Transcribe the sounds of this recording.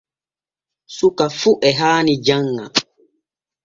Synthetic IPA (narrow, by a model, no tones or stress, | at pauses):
sukafuʔɛɦaːnid͡ʒaŋːa̰